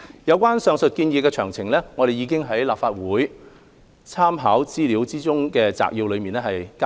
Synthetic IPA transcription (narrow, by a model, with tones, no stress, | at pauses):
jɐ˨˧wkʷaː˥nsœː˨ŋsɵ˨t̚kiː˧njiː˨˧kɛː˧t͡ʃʰœː˨˩ŋt͡sʰɪ˨˩ŋlɛ˥ŋɔː˨˧ɾe˨jiː˨˧k̬ɪ˥ŋɦɐ˨˥jlaː˨p̚faː˧t̚wuː˨˥j | t͡sʰaː˥mɦaː˨˥wt͡siː˥liː˨˧wt͡siː˥t͡sʊ˥ŋkɛː˧t͡sa̰ː˨k̚jiː˧wlɵ˨˧ɥmiː˨nɛ˥hɐ˨jka˥